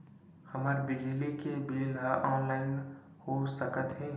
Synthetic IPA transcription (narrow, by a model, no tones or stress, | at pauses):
həmaɾbɪd͡ʒlikebeːlaʔɔ̃ːnlaːɪn | hosəkət̪ɦɛː